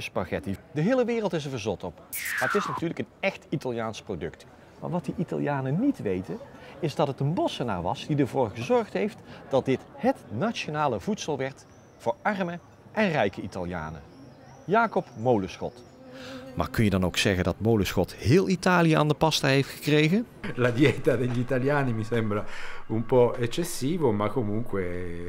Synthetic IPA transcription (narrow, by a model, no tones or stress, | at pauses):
ɪspɑɣɛtidəɦɪːləʋɪːrəlˠtɪs̬əɹvəɹzɔtɔpmaːətɪsnatyːɹləkənɛxtitalˠjaːnsprowdɵ̰kt | ma̰ːɹʋɑtdiʔita̰lˠijaːnənitʋejtəɪzdɑtɦətənbɔsəna̰ːɹʋɑ̰sd̥idəɹvoːɹχəzɔɹχtɦejftd̥ɑt̚dɪtɦətnat͡ʃonaːləvutsəlˠʋɛɹt | fʊːɹɑrmə | ʔɛnrɛjkəitalja̰ːnə̰ | jaːkɔpmowləsχɔ̰t | ma̰ːɹkɵnjədɑno̰wksɛɣəndɑtmowləsxɔthɪːlˠitaːlijəa̰ːndəpɑstaɦejftxə̥krejɣən | lad̪jɛt̪ad̪eʎːit̪aljaːnimisɛmbɾaumpɔɛt͡ʃːesːiːvomakːomuŋkwe